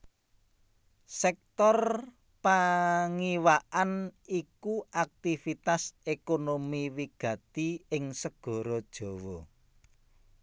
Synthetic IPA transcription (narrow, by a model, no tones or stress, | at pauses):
sɛk̚t̪ɔr | paŋiwaʔanikuak̚t̪ifit̪asekonomiwiɡ̥ä̤t̪iɪŋsəɡ̥ɔ̤ɾod̥ʒ̥ɔ̤wɔ